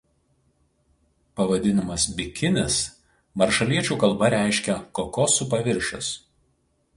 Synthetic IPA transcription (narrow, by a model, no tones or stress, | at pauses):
pɐʋɐd̪ʲɪnʲɪmɐsbʲɪkʲɪnʲɪs | mɐɾʃɐlʲiɛt͡ʃʲuːkɐlˠˑbɐɾʲæˑɪʃʲkʲɛkoːkoːsʊp̬ɐʋʲɪɾʲʃʲo̰s